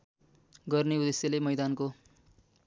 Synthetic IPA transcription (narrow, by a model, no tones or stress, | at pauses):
ɡʌrneud̪esjalemʌjd̪anko